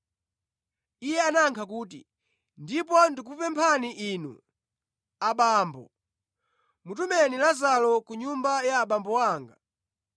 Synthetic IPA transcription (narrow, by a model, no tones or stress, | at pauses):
ijɛanaŋkʰakuːtḭ | ndip̬ɔndik̬upɛmpʰaniʔinṵ | aɓaːmbɔ̰ | mutumɛnilazalɔkuɲumbajaːɓambɔwaːŋɡa